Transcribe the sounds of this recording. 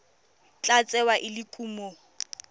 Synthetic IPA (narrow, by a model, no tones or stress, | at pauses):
t͡ɬʼat͡sʼɛwaʔɪlɪkʼuːmo